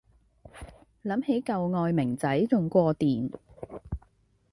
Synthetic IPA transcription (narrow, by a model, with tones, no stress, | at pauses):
lɐ˨˥mhe˨˥jkɐ˨wŋɔː˨˧jmɪ˨˩ŋt͡sɐ˨˥jt͡sʊ˨ŋkʷɔː˧t̪iː˨˩n